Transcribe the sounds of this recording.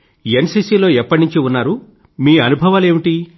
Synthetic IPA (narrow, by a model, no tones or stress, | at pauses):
ensiːsiːlo̞ːɛpːɐʈniɲt͡ʃiunːaːɾu | miːɐnubʱɐʋaːle̞ːmiʈi